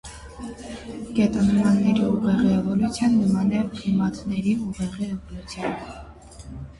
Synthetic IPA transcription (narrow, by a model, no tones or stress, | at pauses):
ɡ̥ɛt̪ənmɑnːɛɾiuʁɛʁiɛvɔlut͡sʰjɑnːəmɑnɛpχimɑt̪nɛɾiuʁɛʁiɛvɔlut͡sʰjɑn